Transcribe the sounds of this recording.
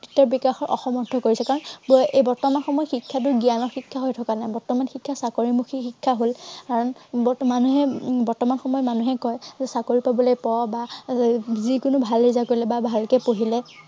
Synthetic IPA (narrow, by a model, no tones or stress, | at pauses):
titɔɹbikaxɔɹʔɔ̰xɔmɔdʰʱɔkoɹisɛkaɹɔnbʊʔejbɔɹtɔmanxɔmɔjxikʰːat̬ʊɹɡijanɔɹxikʰːaɦojtʰɔkanajbɔɹtɔmanxikʰːasakoɹimuxixikʰːaɦolkaɹɔnbɔmanuɦɛbɔɹtɔmanxɔmɔjɔmanuɦɛkɔjzɛsakoɹipabɔlojpɔba | zikʊnʊbʱalːizakoɹilɛbabʱalkɛpoɦilɛ